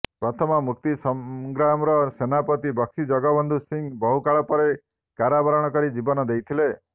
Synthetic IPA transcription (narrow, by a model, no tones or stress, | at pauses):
pɾɔt̪ʰɔmɔmuk̚t̪isɔmɡɾamɾɔsenapɔt̪ibɔksid͡ʒɔɡɔbɔnd̪ʱusiŋbɔɦukaɭɔpɔɾe | kaɾabɔɾɔɽ̃ɔkɔɾid͡ʒibɔnɔd̪ejt̪ʰile